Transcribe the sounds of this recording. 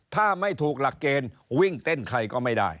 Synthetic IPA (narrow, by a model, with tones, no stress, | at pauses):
t̪ʰaː˥˩ma˥˩jt̪ʰuː˨˩k̚la˨˩kːeː˧nwi˥˩ŋt̪e˥˩nkʰa˧jkɔː˥˩ma˥˩jda̰ː˥˩j